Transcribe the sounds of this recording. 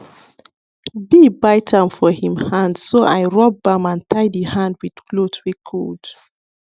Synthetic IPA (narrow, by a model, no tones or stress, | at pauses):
bibaɪtʰãmfɔhĩmhãndsoʔaɪɹɔp̚bãmãntʰaɪdihãndwið̥klotwikʰod̥